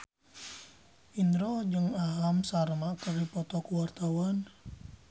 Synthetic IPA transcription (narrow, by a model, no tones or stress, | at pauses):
ʔinɾɔd͡ʒəŋaɦamsarmakərdipɔt̪ɔkuwart̪awan